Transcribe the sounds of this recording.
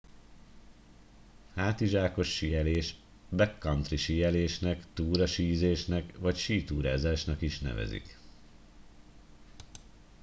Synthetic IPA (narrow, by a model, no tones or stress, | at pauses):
haːt̪iʒaːko̞ʃːijɛleːʃ | bɛkːɒnt̪riʃijɛleːʃnɛkt̪uːɾɒʃiːzeːʃnɛkʋɒcʃiːt̪uːɾaːzaːʃnɒkiʃnɛ̰vɛ̰zḭk